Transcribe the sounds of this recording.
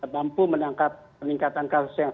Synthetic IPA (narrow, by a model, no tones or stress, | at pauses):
bampumənaŋkap̚ | əniŋkat̪ankasʊ̥sjaŋ